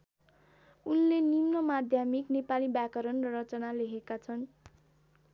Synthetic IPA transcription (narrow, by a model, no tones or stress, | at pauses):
unlenimnʌmad̪ʱjamiknepalibjakʌɾʌnrʌɾʌt͡sʌnaleɦekat͡sʰʌn